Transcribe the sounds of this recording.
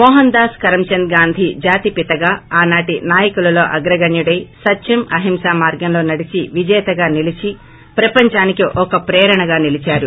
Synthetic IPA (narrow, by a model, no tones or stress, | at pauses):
mɔːɦɐnd̪aːskɐɾɐmt͡ʃɐnd̪ɡaːnd̪ʱid͡ʒaːt̪ipit̪ɐɡaːaːnaːʈinaːjɐkulɐlo̞ːʔɐɡɾɐɡɐɳjuɽɐjsɐtːʃimɐɦimʃaːmaːɾɡɐmlo̞ːnɐɽit͡ʃiʋid͡ʒɛjɐt̪ɐɡaːnilit͡ʃi | pɾɐpɐɲt͡ʃaːnikiʔɔkɐpɾɛːɾɐɳɐɡaːnilit͡ʃaːɾu